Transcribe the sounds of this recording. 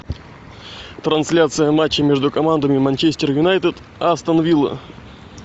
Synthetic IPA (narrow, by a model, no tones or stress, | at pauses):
t̪ɾɐnsʲlʲat̪sɨjəmat͡ɕːɪmʲeʐd̪ʊkɐmand̪əmʲɪmɐnʲt͡ɕesʲt̪ʲɪrjʊnajt̪ɨt̪ | ɐst̪ənɐvʲilˠə̰